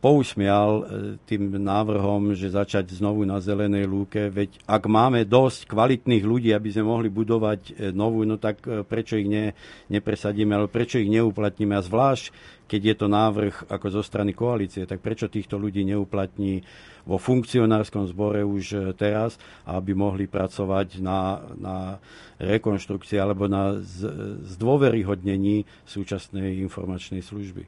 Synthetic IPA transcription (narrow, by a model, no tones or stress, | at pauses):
pɔusmɪɛlt̪iːmnaːʋr̩ɦɔmʒɛzat͡ʃaɟznɔʋunazɛlɛnɛjluːkɛʋɛcaɡmaːmɛd̪ɔsckʋalit̪niːɣluɟiːabizmɛmɔɦlibud̪ɔʋacnɔʋuːnɔt̪akpɾɛt͡ʃɔiɣɲɛɲɛpɾɛsaɟiːmɛalɛbɔpɾɛt͡ʃɔiɣɲɛuplat̪ɲimɛazʋlaːʃckɛɟjɛt̪ɔnaːʋr̩xakɔzɔst̪ɾanikɔaliːt͡siɛt̪ak̚pɾɛt͡ʃɔt̪iːxt̪ɔluɟiːɲɛuːplat̪ɲiː | ʋɔfuŋkt͡siɔnaːɾskɔmzbɔɾɛuʃt̪ɛɾas | a̰abimɔɦlipɾat͡sɔʋacnana | ɾɛkɔnʃt̪ɾukt͡siɛalɛbɔna | zd̪ʋɔʋɛɾiɦɔd̪ɲɛɲiː | suːt͡ʃasnɛjinfɔ̰ɾmat͡ʃnɛjsluʒbḭ